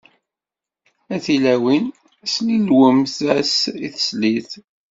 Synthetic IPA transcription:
æθilæwin | slilwəmθæsiθə̥sliθ

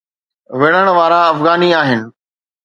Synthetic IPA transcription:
ʋɪɽ̃əɽ̃ʋaːɾaɐfɣaːniaːɦɪnɪ̆

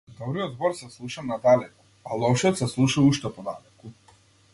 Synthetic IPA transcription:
d̪ɔbɾijɔd̪zbɔɾsɛslˠuʃamnad̪alɛkɔ̥ | alˠɔʃiɔt̪sɛslˠuʃauʃt̪ɛpɔd̪alɛku

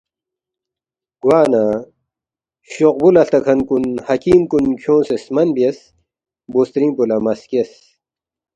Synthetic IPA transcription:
ɡ̥waːna | ɕoq̚bulɐɬt̪ɐkʰɐnkunhɐkiːmkunkʰjõːsesmɐnbiɐs | boːst̪ɾĩːmpulɐmɐskes

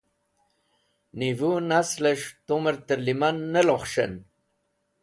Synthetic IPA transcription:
nivunasleʂt̪oməɾt̪əɾlimanːəloχʃə̰n

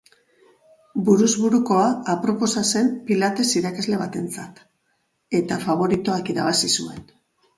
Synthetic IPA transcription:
buɾuzβuɾuko̞aːpɾo̞po̞sase̞mpilat̪e̞siɾakazle̞β̞at̪e̞nt͡sat̪ | e̞t̪afaβ̞o̞ɾit̪oakiɾaβ̞asisue̞n

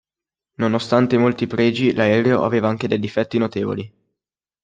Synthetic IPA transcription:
nonost̪ant̪emolt̪ipɾɛːd͡ʒilaɛːɾeoʔa̰veːvaaŋk̟ed̪ejd̪ifɛt̪ːinot̪eːvo̰li

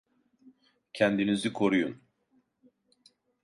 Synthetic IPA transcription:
cʰænd̪inizikʰo̞ɾujun

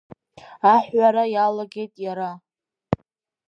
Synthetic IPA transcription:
aħɥaɾajalaɡʲe̞jtʼjaɾa

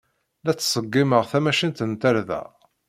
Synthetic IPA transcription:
læt͡sːsˤəɡːiməʁθæmæʃint̪ənt̪æɾðæ̰

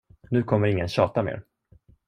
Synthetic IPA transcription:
nʉ̟ːkʰɔmːəɾɪŋːənɕɑːt̪amḛːɾ

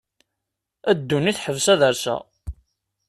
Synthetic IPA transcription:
æd̪ːuniθħəvsæðəɾsæ̰

